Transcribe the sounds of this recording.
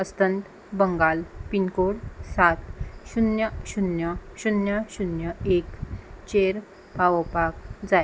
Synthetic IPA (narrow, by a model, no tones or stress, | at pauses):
əst̪ənt̪ | bəŋɡalpinkoɽsat̪ɕunjəɕunjəɕunjaɕunjəekt͡ɕeɾ | paʋəpak̚d͡zae